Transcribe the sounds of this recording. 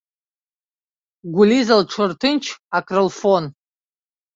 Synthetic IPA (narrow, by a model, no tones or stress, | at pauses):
ɡʷʊlizalʈ͡ʂʰɨrtʰɨnt͡ʃʰakʰrɨlfon